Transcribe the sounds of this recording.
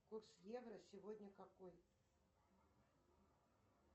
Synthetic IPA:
kursjɛvɾɐsʲɪvɔdʲnʲɐkakoj

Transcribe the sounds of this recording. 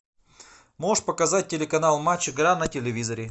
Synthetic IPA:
moʂpəkɐzat̚ʲtʲːɪlʲɪkɐnalˠmat͡ɕːɪɡɾanɐtʲɪlʲɪvʲizɐɾʲɪ

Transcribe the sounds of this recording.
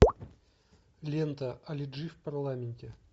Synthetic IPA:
lʲent̪əʔɐlʲɪʐɨfpɐrlˠamʲɪnʲtʲɪ

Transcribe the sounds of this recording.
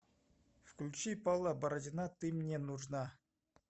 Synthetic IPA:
fklʲut͡ɕipɑlˠɑbɐɾɐdʲinɑt̪ɨmʲnʲenuʐnɑ

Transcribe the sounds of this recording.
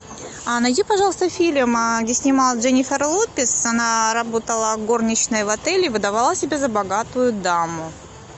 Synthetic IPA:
anɐjdʲipɐʐɑlˠəst̪əfʲilʲmɡdʲesʲnʲɪmɑlˠʐɛnʲɪfʲərlˠot̚pʲɪsɐnaɾɐbot̪əlˠəɡo̞rnʲɪt͡ɕnɨjvɐt̪ɛlʲɪvɨd̪ɐvalˠasʲɪbʲezəbɐɡat̪ʊjʊd̪amʊ

